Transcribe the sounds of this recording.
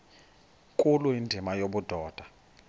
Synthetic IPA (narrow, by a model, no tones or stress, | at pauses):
kʼuluindʱimajoɓud̥ʱɔːd̥ʱa